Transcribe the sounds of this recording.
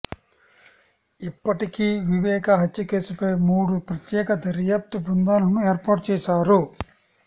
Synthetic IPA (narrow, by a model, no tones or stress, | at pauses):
ipːɐʈikiʋiʋɛːkɐɦɐt̪ːuke̞ːsupɐjmuːɽupɾɐt̪jɛːkɐd̪ɐɾjaːp̚t̪ubund̪aːnɐmueːɾpaːʈ̚t͡ʃɛːʃaːɾu